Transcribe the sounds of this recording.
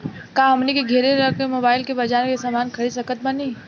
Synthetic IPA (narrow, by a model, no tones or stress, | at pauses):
kaɦɐmnikiɡʱeːɾeɾɐkʰmemoːbaːɪlkebɐd͡ʒaːɾkesaːmaːnkʰɐɽisɐkət̪̚bɐniː